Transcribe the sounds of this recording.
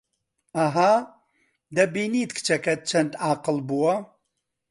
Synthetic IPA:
ɐɦa | d̪ɐbiːniːt̪kʰt͡ʃʰɐkʰɐt̪̚t͡ʃʰɐnt̪aːqɨlbuwɐ

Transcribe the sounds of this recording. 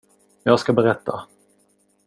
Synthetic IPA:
jɑːɡskabɛɾɛt̪ːa̰

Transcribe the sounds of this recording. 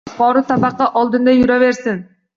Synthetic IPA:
qoːɾut̪ɑmɑqːɑʔolˠd̪ɯnd̪ɑjyɾøβe̞ɾsin

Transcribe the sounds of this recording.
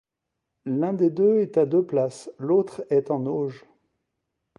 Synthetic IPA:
lɛ̃d̪ed̪øɛt̪ad̪øplaslot̪χɛt̪ɑ̃noʒ

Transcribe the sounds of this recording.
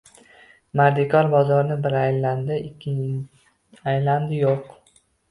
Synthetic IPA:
maɾd̪ɪkʰɒɾbɒzɒɾnɪbɪɾajland̪ɪɪkʲʰːɪ | ajland̪ɪjoq

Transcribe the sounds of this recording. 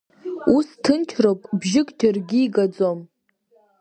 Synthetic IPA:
ustʰɨnt͡ʃʰropʼbʒɪkʼdʰɨrɡʲiːɡad͡zom

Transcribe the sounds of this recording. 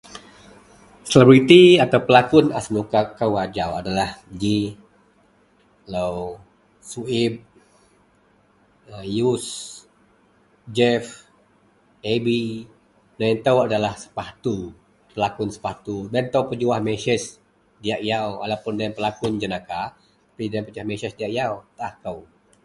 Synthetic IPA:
səlebɾit̪iat̪awpəlakʊnasmukakawad͡ʒawadalahd͡ʒi | law | suib̚ | əjus | d͡ʒɛf | ebi | naɛnt̪əwadalahsə̥paht̪u | pəlakʊnsə̥paht̪udant̪əwpəd͡ʒuahmesɛs | diaʔijawa̰lawpʊndajəmpəlakʊnd͡ʒənaka | t̪ḁpidajəmpəd͡ʒuahmesɛsdiaʔjawt̪aahkəw

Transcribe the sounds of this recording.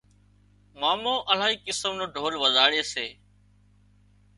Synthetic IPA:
maːmõːʔəl̤aːiːkɪsəmnõːɖʱoːlʋəzaːɽeːseː

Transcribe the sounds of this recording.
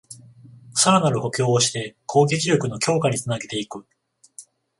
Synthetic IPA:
saɾanaɾɯ̟ho̞kʲo̞ːoɕi̥t̪e̞kʰo̞ːɡʲit͡ɕiɾʲo̞kɯ̟no̞kʲo̞ːkaɲ̟it͡sɨnaɡe̞t̪e̞ikɯ̟

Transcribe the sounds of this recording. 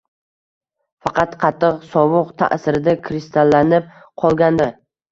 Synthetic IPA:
fɑqʰɑt̪qʰɑt̪ʰːɨqsɒwʊqt̪ʰa̰ʔsɪɾɪd̪akʲʰɾɪst̪ʰalːanɪp̚ | qʰɒlˠɡʲand̪a

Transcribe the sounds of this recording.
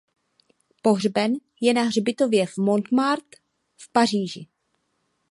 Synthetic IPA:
po̞ɦrbɛn | jɛnaɦrbɪt̪o̞vjɛvmont̪maɾt̪ | fpar̝iːʒɪ

